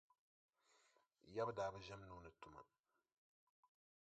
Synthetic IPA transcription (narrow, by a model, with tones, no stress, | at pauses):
ja˦bdaː˨bɐ˦ʒɐ˦mnuː˨nə˨t̪ːu˨mɐ̰˨